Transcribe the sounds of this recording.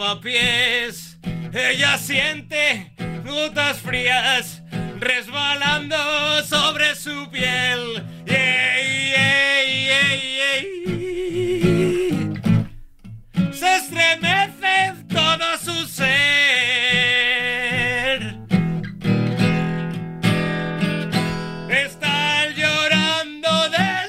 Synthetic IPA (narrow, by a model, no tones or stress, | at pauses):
apjes | eʎasjent̪enut̪asfɾias | rezβaland̪osoβɾesupjel | e | eee | sest̪ɾemeθet̪oðasuse | ɾ | est̪aʎoɾand̪oðe